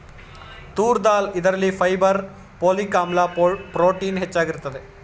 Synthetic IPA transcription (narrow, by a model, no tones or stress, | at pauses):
t̪uːɾd̪aːlɪðɐɾɐlːifɐjbɐɾ | poːlikaːmlaːpɾoːʈiːnɦɛt͡ʃːaːɣɪɾɯt̪ːɐd̪e